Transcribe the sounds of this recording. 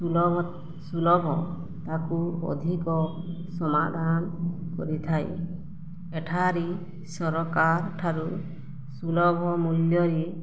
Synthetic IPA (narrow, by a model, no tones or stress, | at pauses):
sulɔbʱɔ | t̪akuɔ̰d̪ʱikɔ | sɔma̰d̪ʱankɔ̰ɾit̪ʰaj̰ | eʈʰaɾi | sɔɾɔkaɾʈʰaɾu | sulɔbʱɔmuljɔɾi